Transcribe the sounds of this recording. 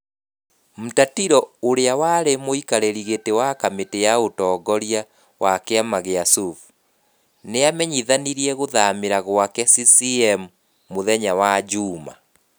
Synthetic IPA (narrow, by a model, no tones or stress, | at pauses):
m̩tatiɾɔoɾeawaɾemoikaɾeɾiɣetewakametejaotɔːɡɔɾia | wʔakeamaɣeasuf | neamɛɲiðaniɾiɛɣoðameɾaɣwakɛsisiɛmuː | oðɛɲawad͡ʑuːma̰